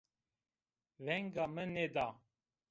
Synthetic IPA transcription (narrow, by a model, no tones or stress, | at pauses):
vɛŋɡɑməned̪ɑ